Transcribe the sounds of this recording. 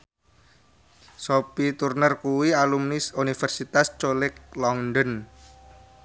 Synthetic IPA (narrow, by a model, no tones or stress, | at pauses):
sopit̪urnərkuwialumnisunifɛrsit̪ast͡ʃolɪk̚lɔŋdɔn